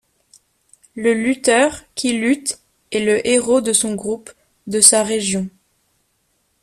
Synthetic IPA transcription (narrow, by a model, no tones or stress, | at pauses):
ləlyt̪œʁkʲʰilyt̪ | ɛləʔeʁod̪əsɔ̃ɡʁup | d̪əsaʁeʒjɔ̃